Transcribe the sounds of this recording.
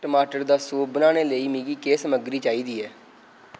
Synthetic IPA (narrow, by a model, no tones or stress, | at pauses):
ʈəmaːʈəɾd̪aːsoːbənaːneːləiːmiːɡiːkeːsəməɡɾiːt͡ʃaːiːd̪iːɛː